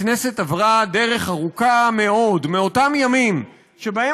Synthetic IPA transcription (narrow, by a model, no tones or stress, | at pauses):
ne̞se̞tavʁade̞ʁe̞χaʁukame̞o̞dmeo̞tamjamim | ʃe̞bahe